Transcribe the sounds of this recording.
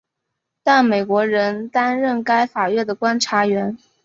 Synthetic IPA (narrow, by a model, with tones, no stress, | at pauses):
t̪a˥˩nme˨˩ɪkwɔ˧˥ɻə˧˥nt̪a˥nɻə˥˩nka˥ɪfa˨˩ɥɛ˥˩d̪ə˩kwa˥nʈ͡ʂʰa˧˥ɥɛ˧˥n